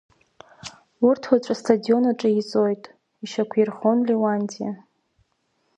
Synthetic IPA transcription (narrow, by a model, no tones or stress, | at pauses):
ʊrtʰwat͡ɕʷʼastʰadio̞naʈ͡ʂʼait͡sʼo̞jtʼ | iʃakʷʰjirχo̞nlewandija